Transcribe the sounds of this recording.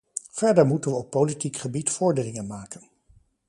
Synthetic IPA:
v̥ɛɹdəɹmutənʋəɔpːowlitikχəbitfʊːɹdəːlɪŋənmaːkən

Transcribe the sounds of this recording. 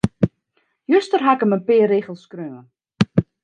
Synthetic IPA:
jøstərɦakəmənpɪəreːɣəlˠskrøːən

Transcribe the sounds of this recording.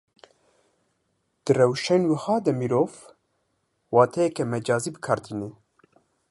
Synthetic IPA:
d̪̥ɨrɛwʃɛnwɨhɑːd̪ɛmiɾoːv | wɑːt̪ʰɛjɛkɛmɛd͡ʒɑːziːbɨkʰɑɾt̪ʰiːne

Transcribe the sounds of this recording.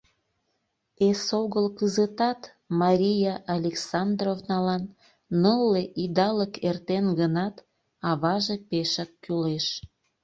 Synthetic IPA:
esoɣəlkəzət̪ɑt̪ | mɑɾʲijaʔalʲeksɑnd̪rovnɑlɑnː | əlːeʔid̪ɑləkert̪enɡənɑt̪ | ɑβɑʒepeʃəkːyleʃ

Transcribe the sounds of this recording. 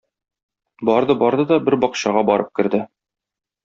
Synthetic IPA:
bɒɾd̪ɤbɒɾd̪ɤd̪ɒbɘɾbɒqɕɑʁɑbɒɾɤp̚kɘ̆ɾd̪ɘ

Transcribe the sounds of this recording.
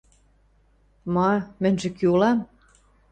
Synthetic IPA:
mɑmɘ̆nʲʒĕkyulɑm

